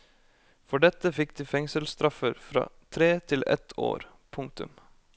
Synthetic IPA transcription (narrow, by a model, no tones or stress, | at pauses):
fɔɖɛt̪əfɪk̚d̪iːfɛŋsəlst̪ɾɑfəɾfɾɑ̰ːt̪ʰɾeːt̪ʰɪlɛ̰t̪ʰo̰ːɾ | pʰʊŋ̚t̪ʉ̰m